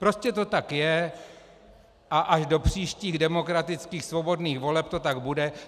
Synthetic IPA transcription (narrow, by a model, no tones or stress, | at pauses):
pɾo̞scɛt̪o̞t̪akjɛ | ʔaʔaʃdo̞pr̝̥iːʃciːɣdɛmo̞kɾat̪ɪt͡skiːxsvo̞bo̞dniːxvo̞lɛp̚t̪o̞t̪aɡbudɛ